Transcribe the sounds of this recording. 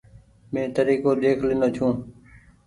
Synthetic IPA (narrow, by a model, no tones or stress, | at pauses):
mẽːt̪əɾiːkoːd̪eːkʰlɪnoːt͡ʃʰũː